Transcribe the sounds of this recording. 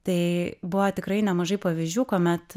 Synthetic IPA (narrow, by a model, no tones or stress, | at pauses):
t̪ɐɪbʊʋoːt̪ʲɪkɾɐɪnʲɛmɐʒɐɪpɐʋʲizʲd͡ʒʲuːkoːmʲɛt̪